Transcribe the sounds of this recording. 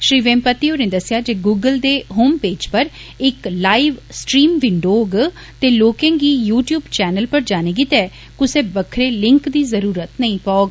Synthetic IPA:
ʃɾiːʋẽːmpət̪ːiːoːɾneːd̪əsɪjaːd͡ʒeːɡuːɡəld̪eːɦoːmpeːd͡ʒpəɾɪklaːiʋsʈɾiːmʋɪɳɖoːɡ | t̪eːloːkẽːɡiːjuːʈjuːbt͡ʃɛːnəlpəɾd͡ʒaːneɡit̪ɛː | kʊseːbəkʰɾeːlɪ̃ŋkd̪iːzəɾuːɾət̪nəĩːpaːɡ

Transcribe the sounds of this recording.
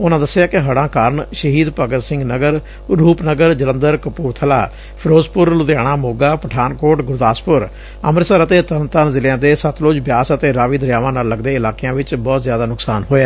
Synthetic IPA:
ʊnãːd̪əsːɪjaːkɪɦəɽãːkaːɾɳʃəɦiːd̪pəɡəɾsɪ̃ŋɡnəɡəɾ | ɾuːpnəɡəɾd͡ʒələ̃nd̪əɾkəpuːɾt̪ʰəla̰ː | pʰɾoːzpʊɾlʊd̪jaːɽ̃aːmoːɡaːpəʈʰaːnkoːʈɡʊɾd̪aːspʊɾ | əməɾsəɾət̪eːt̪ənt̪ənzɪljãːd̪eːsət̪loːd͡ʒbjaːsət̪eːɾaːʋiːd̪əɾjaːʋãːnaːlːəɡd̪eːɪlaːkejãːʋɪt͡ʃbɔːt̪zjaːd̪aːnʊksaːnɦoːɛː

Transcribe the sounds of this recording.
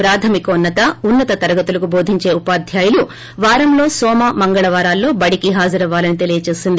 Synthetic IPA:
pɾaːt̪ʰɐmikunːɐt̪ɐunːɐt̪ɐt̪ɐɾɐɡɐt̪ulɐkubo̞ːd̪ʱiɲt͡ʃe̞ːupaːd̪ʱjaːjɐlu | ʋaːɾɐmlo̞ːsɔːmaːmɐŋɡɐɭɐʋaːɾaːlːo̞ːbɐɽikiɦaːd͡ʒɐɾɐʋaːlɐnit̪e̞lijɐt͡ʃe̞ːsind̪i

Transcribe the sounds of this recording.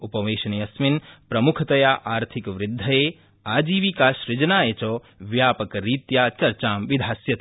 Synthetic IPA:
upɐʋeːʃɐnijɐsminpɾɐmukʰt̪ɐjaːʔaːɾt̪ʰikʋɾɪd̪ʱːɐjeː | aːd͡ʒiːʋikaːʃɾɪd͡ʒnaːet͡ʃoː | ʋjaːpɐkɾiːt̪jaːt͡ʃɐɾt͡ʃaːmʋid̪ʱaːsjɐt̪

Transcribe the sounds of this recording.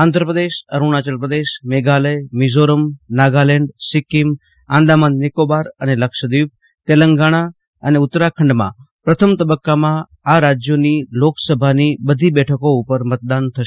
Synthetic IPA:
ãnd̪ʱɾəpɾəd̪eʃəɾuɳ̃at͡ʃəlpɾəd̪eʃmeɡaləjmizoɾəmnaɡalɛɳɖsɪkim | ãnd̪amanːekobaɾəneləkʃəd̪iʋ | t̪elə̃ŋɡaɽ̃a | əneʊt̪ːɾakʰəɳɖmã̰pɾət̪ʰəmt̪əbəkːamã | aɾad͡ʒjoniloksəbʱanibəd̪ʱibɛʈʰəkoʊpəɾmət̪̚d̪ant̪ʰəʃ

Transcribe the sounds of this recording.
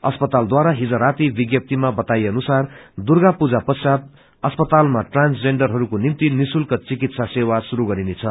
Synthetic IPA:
ʌspʌt̪ald̪waɾaɦid͡zʌ̃ɾat̪ibiɡjʌp̚t̪imabʌt̪ajeʌnusard̪urɡapud͡zapʌsat̪̚ | ʌspʌt̪almaʈransd͡zeɳɖʌrɦʌɾukonimt̪inisulkʌt͡sikit̪sasewasuɾuɡʌɾinet͡sʰʌ

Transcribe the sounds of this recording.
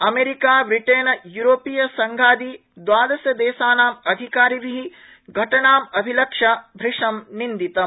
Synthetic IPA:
ɐmeːɾikaːbɾiʈeːnɐjuɾoːpijɐsɐŋɡʱaːd̪i | d̪ʋaːd̪ɐsjɐd̪eːsaːnaːmɐd̪ʱikaːɾiʋiɦi | ɡʱɐʈɐɳaːmɐbʱilɐkʂɐbʱɾiʂɐmnind̪it̪ɐ

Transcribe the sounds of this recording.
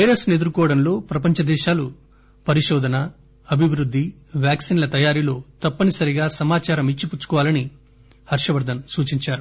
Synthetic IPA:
eɾɐsne̞d̪uɾukɔːɐɽɐnlo̞ːpɾɐpɐɲt͡ʃɐd̪ɛːʃaːlu | pɐɾiʃɔːd̪ʱɐnɐ | ɐbʱiʋɾud̪ʱːiʋjaːksiːnlɐt̪ɐjaːɾilo̞ːt̪ɐpːɐnisɐɾiɡaːsɐmaːt͡ʃaːɾɐmit͡ʃːiput͡ʃːu̥kɔʋaːlɐni | hɐɾʂɐʋɐɾd̪ʱɐmsuːt͡ʃiɲt͡ʃaːɾu

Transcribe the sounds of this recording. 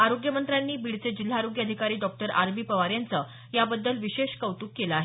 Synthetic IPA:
aɾoɡjəmənt̪ɾanːiːbiɽt͡sed͡ʑil̤ːaːɾoɡjəd̪ʱikaɾiːɖɔk̚ʈəɾʔa̰ɾbiːpəʋaɾjant͡sə | jabəd̪ːəlʋiɕeɕkəʋt̪uːkːeləaːɦe

